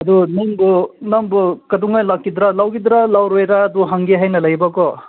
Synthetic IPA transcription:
ɐd̪unɐmbnɐmbkɐd̪uŋɡajlɐkːid̪ɾalɐwɡid̪ɾalɐwɾejɾaɐd̪uɦɐŋɡeɦɐjnɐlɐjbako

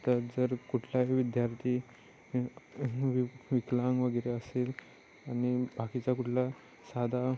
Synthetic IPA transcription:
t̪əɾd͡zəɾkuʈʰljaʋid̪jaɾt̪ʰiː | ʋʋiklãŋɡʋəɡəjɾeəsel | añibʱakit͡ɕakuʈʰla | sad̪ʱa

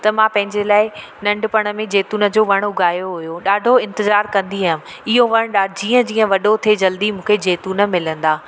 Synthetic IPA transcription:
t̪ɐmãpɐ̃ɦɪ̃ɲd͡ʑelaːɪ | nɐ̃ɳɖpɐɽ̃ə̆mẽd͡ʑeːt̪uːnə̆d͡ʑoːʋɐɽ̃ʊɡʱaːjoɦʊjoɗaːɖʱoɪ̃nt̪ɪzaːɾkɐ̃nd̪iaːɦɪm̆ | ɪɦoʋɐɽ̃ɗaːɖʱd͡ʑiːə̃d͡ʑĩːə̃ʋɐɗot̪ʰed͡ʑɐld̪imũːkʰed͡ʑeːt̪uːnə̆mɪlə̃nd̪aː

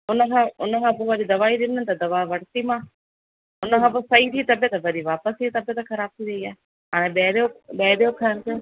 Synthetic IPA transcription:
ʊnəkʰãːʊnəkʰãːpoʋɐɾid̪ɐʋaːid̪ɪnənt̪ɐd̪ɐʋaːʋɐɽt̪imãː | ʊnəkʰãːposɐit̪ʰiːt̪ɐbət̪bɐɾiʋaːpəsʰit̪ɐbət̪kʰɐɾaːb̚t̪ʰiːɾɐiaː | ɦaːɽ̃ẽɓeːɾoɓeːɾejokʰant̪e

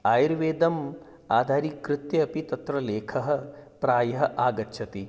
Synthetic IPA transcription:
aːjɾʋeːd̪ɐm | aːd̪ʱaːɾikɾɪt̪jɐːpit̪ɐt̪ɾɐleːkʰɐɦɐ̆pɾaːjɐɦɐʔaːɡɐtːʃʰɐt̪i

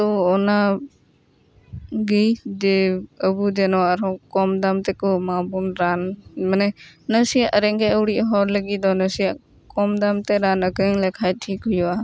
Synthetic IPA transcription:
tɔːna | ɡijdɛəbudɛnɔaɾɔkɔmd̪amt̪ɛkɔmabunɾanmanɛnəsijaʔəɾɛŋɡɛəwɽiʔɦɔɾləɡid̪ɔnəsija | kɔmd̪amt̪ɛɾanəkɯŋlɛkʰajtʰikɦujɔa

